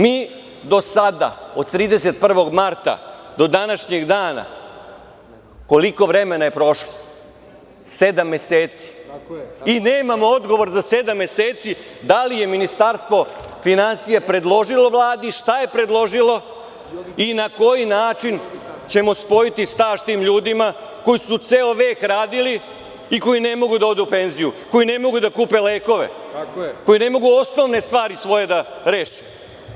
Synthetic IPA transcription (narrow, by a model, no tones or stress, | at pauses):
miː | d̪o̞sad̪a̰o̞d̪̚t̪ɾiːd̪e̞se̞t̪̚pr̩ʋo̞ɡmaɾt̪a̰d̪o̞d̪anaʃɲe̞ɡd̪aːna̰ | ko̞liko̞ʋɾeme̞naje̞pɾo̞ʃlo | sed̪amːe̞seːt̪si̥ | ine̞ːmamo̞od̪ɡo̞ʋo̞ɾzase̞d̪amːe̞seːt̪si | d̪alije̞minist̪aɾst̪ʋo̞finansijepɾe̞d̪lˠo̞ʒilˠo̞ʋlˠaːd̪iʃt̪aje̞pɾe̞d̪lˠo̞ʒilo̞ | inako̞jinaːt͡ʃin | t͡ɕe̞mo̞spo̞it̪ist̪aːʃt̪iːmʎuːd̪ima | ko̞jisut̪seːoʋeːkɾaːd̪ili | iko̞jine̞mo̞ɡud̪ao̞d̪uupe̞nzijuko̞jine̞mo̞ɡud̪akuːpe̞leːko̞ʋe̞̰ | ko̞jine̞mo̞ɡuo̞sno̞ʋne̞st̪ʋaːɾisʋo̞je̞d̪aɾeːʃe̥